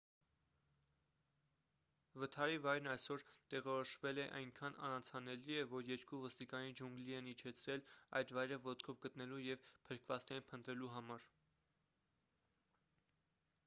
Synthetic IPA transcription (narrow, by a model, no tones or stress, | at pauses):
vət̪ʰɑɾivɑjɾnɑjsɔɾt̪ɛʁɔɾɔʃvɛlɛʔɑjŋkʰɑnɑ̰nɑnt͡sʰɑnɛliɛvɔɾjɛɾkuvɔst̪ikɑnid͡ʒuŋɡliɛnit͡ʃʰɛt͡sʰɾɛlɑ̰jd̪vɑjɾəvɔt̪kʰɔvɡət̪nɛlujɛvpʰəɾkʰvɑt͡snɛɾinpʰənt̪ɾɛluɦɑmɑɾ